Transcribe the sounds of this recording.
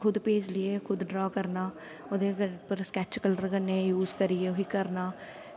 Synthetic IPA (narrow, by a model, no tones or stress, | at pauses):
kʰʊd̪peːd͡ʒlɪekʰʊd̪ɖɾaːkəɾnaː | ʊd̪epəɾskɛːt͡ʃkələɾkənẽjuːzkəɾieʊɦikəɾnaː